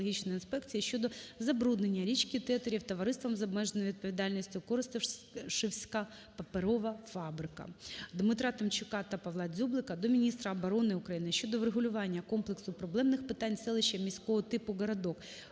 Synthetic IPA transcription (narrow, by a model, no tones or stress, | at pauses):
ɔɦʲit͡ʃnɔjinspɛkt͡sʲijiʃʲt͡ʃɔd̪ɔzɐbɾud̪nenʲːɐɾʲit͡ʃkʲit̪ɛt̪ɐɾʲiwt̪ɔʋɐɾɪst̪ʋɐmzɐbmɛʒenʋʲid̪̚pɔʋʲid̪ɑlʲnʲisʲtʲʊkɔɾɪst̪ɪʃɪwsʲkɑ | pɐpeɾɔʋɐfɑbɾɪkɐ̰d̪mɪt̪ɾɑt̪ɐmt͡ʃɪkɑt̪ɐpɐʋlˠɑd͡zʲublˠɪkɐd̪ɔmʲinʲist̪ɾɐɐbɔɾɔnɪʊkɾɐjinɪʃʲt͡ʃɔd̪ɔʋɾeɦʊlʲʊʋɑnʲːɐkɔmplˠeksʊpɾɔblˠɛmnɪxpɪt̪ɑnʲsɛlˠɪʃɐmʲisʲkɔɦɔt̪ɪpʊɣɐɾɐd̪ɔk